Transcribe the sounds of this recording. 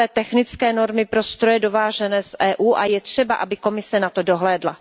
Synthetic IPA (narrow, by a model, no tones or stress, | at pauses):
ɛːt̪ɛxnɪt͡skɛːno̞ɾmɪpɾo̞st̪ɾojɛdo̞vaːʒɛnɛːsʔɛːʔuːʔajɛt̪r̝̥ɛbaʔabɪko̞mɪsɛnat̪o̞do̞ɦlɛːdla̰